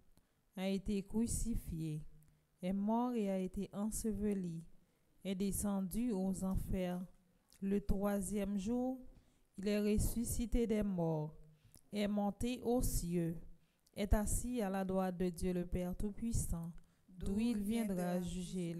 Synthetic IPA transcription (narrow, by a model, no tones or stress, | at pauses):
aet̪ekʁysifje | ɛmɔʁeaet̪eʔɑ̃səvəli | ɛd̪esɑ̃d̪yozɑ̃fɛʁ | lət̪χwazjɛmʒuːʁ | ilɛʁesysit̪ed̪ɛmɔʁ | ɛmɔ̃t̪eʔosjø | ɛt̪asialad̪ʁwat̪̚d̪əd̪jøləpɛʁt̪upɥisɑ̃ | d̪ũilvjɛ̃d̪ʁaʒyʒe